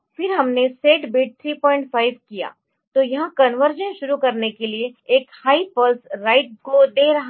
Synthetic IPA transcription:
fɪɾɦɐmneseːʈbiːʈ̚t̪ʰɾiːpɔːɪ̃ɳʈfʰaːɪʋkija̰ː | t̪ojɐɦãkɐnʋəɾd͡ʒə̃nʃʊɾukɐɾnekelieeːkhaːipəlsɾaːɪʈ̚kod̪eːɾɐɦ

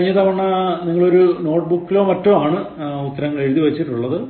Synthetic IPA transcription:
ɲːɐt̪ɐmʋɐɳːɐniŋːɐɭo̞ɾuno̞ːʈ̚bukːilo̞ːmɐtːumaːɳɨ | ut̪ːɐɾɐŋːɐɭe̞ɻuðiʋɐt͡ɕːiʈːuɭːɐðɨ

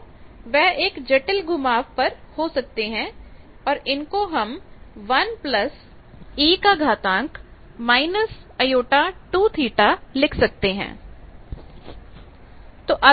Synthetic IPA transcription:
ʋɛɦeːkd͡ʒɐʈəlɡʊmaːʋpɐɾhosɐk̚t̪eɦɛ̃ | ɔːɾɪnkoɦɐmʋɐnplɐs | iːkaɡʱaːt̪ãːŋk | maːɪnəsɐjoːʈaʈuːt̪ʰiːʈalɪkʰsɐk̚t̪eɦɛ̰̃ː | t̪oːʔɐ

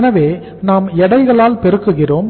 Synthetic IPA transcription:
nɐʋeː | naːmɛɽɐɪɣɐɭaːlpɛɾɯkːɯɣɪroːm

